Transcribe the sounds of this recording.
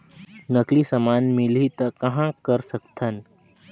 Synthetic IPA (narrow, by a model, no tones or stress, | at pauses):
nəklisəmaːnmɪlit̪əkəɦãkəɾsəkt̪ʰən